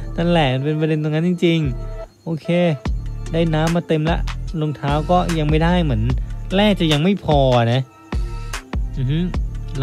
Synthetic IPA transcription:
t̪ʰa˥˩lɛ˨˩˧npe˧npɾa˧de˧nt̪o˧ŋa˦˥nt͡ɕi˧ŋt͡ɕi˧ŋʔoː˧kʰeː˧daː˥˩jnaː˦˥mːaː˧t̪e˧mlɛ̰˦˥ʔlo˧ŋt̪ʰaː˦˥wkɔː˥˩ja˧ŋma˥˩jda˥˩jmɯ˩˦ənlɛː˥˩k̚t͡ɕa˨˩ja˧ŋma˥˩jpʰɔː˧a˨˩na˦˥ | m̩ɯ˧˩hɯ˦˥

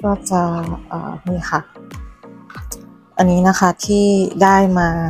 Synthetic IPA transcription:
aː˥˩t͡ɕa˧ʔa̰ː˨˩miː˧˩xa˧˩ | ʔa˧nːiː˦˥na˦˥kʰa˥˩t̪ʰiː˥˩daː˥˩jmaː˧

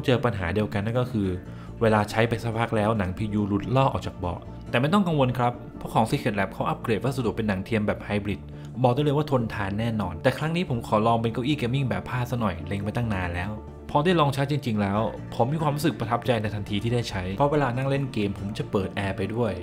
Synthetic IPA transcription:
t͡ɕɤː˧pa˧nɦa̰ː˩˦di˧əwka˧nːa˧˥˩kɔ˥˩kʰɯː˧ | weː˧laː˧t͡ɕʰa˦˥jpa˧jsa˦˥˩pʰa˦˥k̚lɛː˦˥wna˩˦ŋpʰiː˧juː˧lu˦˥t̪̚lɔː˥˩ʔɔ̰ː˨˩k̚t͡ɕaː˨˩k̚bɔ̰˨˩ | t̪ɛː˨˩ma˥˩jt̪ɔ˥˩ŋka˧ŋwo˧nkʰɾa˦˥p̚ʰːɔ˥˦˥kʰɔː˩˦ŋsi˧kʰe˨˩t̪̚lɛː˨˩p̚kʰa˦˥wʔa˦˥p̚kɾeː˨˩t̪̚waː˥˩sa˧du˨˩k̚pe˧nːa˩˦ŋt̪ʰi˧əmbɛː˨˩p̚ha˧jbɾi˨˩t̪̚ | bɔː˨˩duː˧˩˨lːjwaː˥˩t̪ʰo˧nt̪ʰaː˧nːɛː˥˩nɔː˧nt̪ɛː˨˩kʰɾa˦˥ŋniː˦˥pʰo˩˦mkʰɔː˩˦lɔː˧ŋp̬e˧nka˧˩ʔiː˥˩keː˧mi˥˩ŋbɛː˨˩pʰːaː˥˩sa˦˥nɔ˨˩jle˧ŋpa˧jt̪a˥˩naː˧nlɛː˦˥w | pʰɔː˧daː˥˩˨jlɔː˧ŋt͡ɕʰa˦˥jt͡ɕi˧ŋt͡ɕi˧ŋlɛː˦˥w | pʰo˩˦mi˧kwaː˧mɾu˦˥sɯ˨˩k̚pɾa˧t̪ʰa˦˥p̚t͡ɕa˧jna˧jt̪ʰa˧nt̪ʰiː˧t̪ʰiː˥˩daː˥˩jt͡ɕʰa˦˥jpʰɾɔ˦˥weː˧laː˧na˥˩ŋle˥˩nkeː˧mpʰo˩˦mt͡ɕa˨˩pɤː˨˩t̪̚ʔɛː˧pa˧jdu˥˩əj

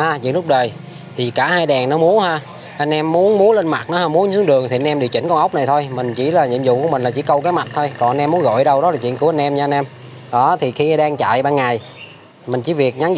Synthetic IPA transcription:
haː˧zḭ˧˨ənlʊ˦˥k͡p̚ɗəː˨˩j | t̪ʰi˨˩kaː˧˩haː˧jɗɛ˨˩ŋnɔ˨˦mu˨˦ənhaː˧ | ʔa˧jn̟ʔɛ˧mːu˨˦ənmu˨˦ənle˧nma˨˩t̚nɔ˨˦haː˧mu˨˦ənsɨ˨˦əŋɗɨ˨˩əŋt̪ʰi˨˩a˧nʔɛ˧mɗḭ˨˩wt͡ɕï˧˩ŋ̟kɔ˧ŋə˦˥wk͡p̚na˨˩jt̪ʰo˧jmï˨˩ŋ̟t͡ɕi˧˩laː˨˩ɲḭ˧˨əmzṵ˧˨ku˧˩əmï˨˩ŋ̟laː˨˩t͡ɕi˧˩˦kə˧wkaː˨˦jma˨˩t̚t̪ʰo˧jkɔ˨˩nʔa˧nʔɛ˧mːu˨˦ənɣo̰˧˨jɗə˧wɗɔ˨˦laː˨˩t͡ɕwḭ˧˨ənku˧˩əa˧nʔɛ˧mɲa˧nʔɛ˧m | ɗɔ˨˦t̪ʰi˨˩xi˧ʔa˧ɗaː˧ŋt͡ɕa̰ː˧˨jɓaː˧ŋa˨˩j | mï˨˩ŋ̟t͡ɕi˧˩˦vi˨˩ək̚ɲa˨˦ŋ

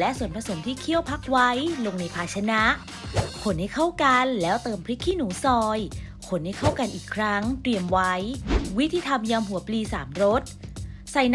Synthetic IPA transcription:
lɛ˦˥ʔsu˨˩ənpʰɾa˧so˩˦mt̪ʰiː˥˩kʰi˥˩əwpʰa˦˥k̚wa˦˥jlo˧ŋna˧jpʰaː˧t͡ɕʰa˧na˦˥ʔ | kʰo˨˩˦nha˥˩jkʰa˥˩wka˧nlɛː˦˥wt̪ɤː˧mpʰɾi˦˥kʰːiː˥˩nuː˩˦sɔː˧j | kʰo˩˦nha˥˩jkʰa˥˩wka˧nʔiː˨˩kʰɾa˦˥ŋt̪ɾi˧əmwa˦˥jwi˦˥t̪ʰːiː˧t̪ʰa˧mjaː˧mɦu˨˩˦ɐpliː˧saː˩˦mɾo˦˥t̪̚ | sa˨˧jn

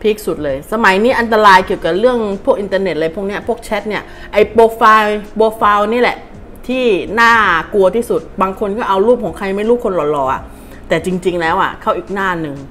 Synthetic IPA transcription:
pʰi˦˥k̚su˨˩t̪̚lɤː˧jsa˧ma˨˩˦jniː˦˥ʔa˧nt̪̬a˧ɾaː˧jki˨˩əwka˨˩ɾɯ˥˩əŋpʰu˥˩k̚ʔi˧nt̪aː˧ne˨˩t̪̚la˧jpʰu˥˩k̚ni˦˥ɐ˩pʰu˥˩k̚t͡ɕʰɛ˦˥t̪̚ni˦˥˩ɐ | ʔa˧jpoː˧faː˧jpoː˧faː˧wni˦˥˨lɛ̰˨˩ʔ | t̪ʰiː˥˩naː˥˩ku˧ɐt̪ʰiː˥˩su˨˩t̪̚baː˧ŋkʰo˧nkɔː˥˩ʔa˧wɾuː˥˩p̚kɔː˩˦ŋkʰa˧jma˥˩jɾuː˥˩kʰo˧nlɔː˨˩lɔː˧˩ʔa̰˨˩ | t̪ɛː˨˩t͡ɕi˧ŋt͡ɕi˧ŋlɛː˦˥wʔa̰˨˩kʰaː˧˥˩wʔiː˨˩k̚naː˥˩nɯ˨˩ŋ

